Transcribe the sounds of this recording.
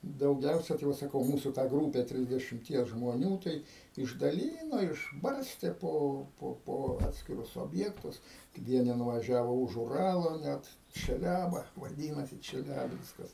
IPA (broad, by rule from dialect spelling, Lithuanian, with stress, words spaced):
dɐʊˈɡʲɛʊsʲɛ tɐɪ ˈʋɐ sɐˈkɐʊ ˈmuːsʊ tɑː ˈɡruːpʲɛ tʲrʲɪzʲdʲɛʃʲɪmʲˈtʲiɛs ʒmoːˈnʲuː tɐɪ ɪʒdɐˈlʲiːnoː ɪʒˈbɐrʲsʲtʲeː ˈpoː ˈpoː poː ˈɑːtʲsʲkʲɪrʊs oːbʲˈjæːktʊs ˈʋʲiɛnʲɪ nʊnʊʋɐˈʒʲæːʋoː ʊʃ ʊˈrɑːlˠoː nʲɛt t͡ʃʲɛˈlʲæːbɐ ʋɐˈdʲiːnɐsʲɪ t͡ʃʲɛˈlʲæːbʲɪnskɐs